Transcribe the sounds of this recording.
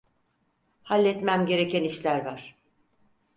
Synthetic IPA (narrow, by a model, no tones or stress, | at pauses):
halʲːɛt̪mæmɟe̞ɾe̞cʰæniʃlʲæɾvaɾ̥